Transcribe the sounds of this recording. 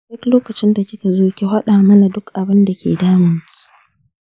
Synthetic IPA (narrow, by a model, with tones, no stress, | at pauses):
dʊ˦kloː˦kɐ˨t͡ʃɪ˦nda˨kʲɪ˦ka˨zoː˦kʲe˦ɦa˦ɗaː˨mɐ˦na˨dʊ˦kʔa˨bɪ˦nda˨kʲḛː˨daː˦mɪ˨ŋkʲi̥˦